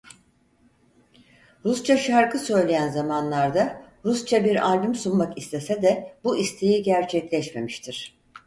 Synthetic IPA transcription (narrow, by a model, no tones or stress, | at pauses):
ɾust͡ʃʰaʃaɾkʰɯsø̞jlʲe̞jænzamanlˠaɾd̪a | ɾust͡ʃʰabiɾaɾʲbymsunmakist̪ʰe̞sɛd̪ɛbuist̪ʰejiɟæɾt͡ʃʰɛclʲɛʃme̞̰miʃt̪ʰiɾ̥